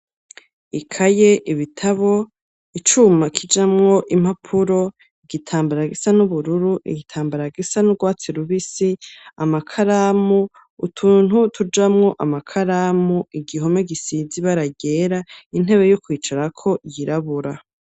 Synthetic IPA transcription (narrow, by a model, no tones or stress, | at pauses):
ikʰaje̞ʔiβitʰaβo̞ | it͡ʃumakʰid͡ʒamŋo̞ʔim̥apʰuɾo̞ | iɡitʰaːmbaɾaɡisanuβuɾuɾuʔḭɡitʰaːmbaɾaɡisanuɡwaːt͡siɾuβisiamakʰaɾaːmu | utʰuːn̥hutʰud͡ʒamŋo̞ʔamakʰaɾamuiɡiɦo̞meɡisiziβaɾaɡeɾain̥e̞βe̞jokwiːt͡ʃaɾakʰo̞jiɾaβuɾa